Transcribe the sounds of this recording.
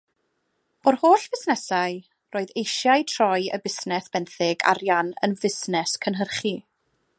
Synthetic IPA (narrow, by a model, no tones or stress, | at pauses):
ɔrhoːɬvɪsnɛsaɨ | roːɨðejʃjaɨtʰrɔɨə̰bɪsnɛsb̥ɛnθɪɡa̰ɾjanə̰nvɪsnɛskʰənɦərχi